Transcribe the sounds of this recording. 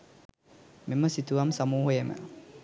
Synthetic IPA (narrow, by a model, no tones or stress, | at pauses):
meməsit̪uʋamsamuːɦojemə̰